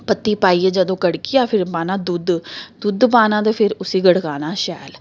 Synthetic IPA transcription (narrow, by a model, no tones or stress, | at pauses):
pət̪ːiːpaːiːeːd͡ʒəd̪õːkəɽkiːaːpʰɪɾbaːnãːd̪ʊd̪d̪̥ʊd̪paːnãːd̪eːpʰɪɾʊsiːɡəɽkaːnaːʃɛːl